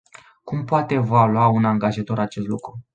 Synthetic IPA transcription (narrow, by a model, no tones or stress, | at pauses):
kumpoat̪e̞valuaunaŋɡaʒat̪o̞ɾat͡ʃe̞st̪lukɾu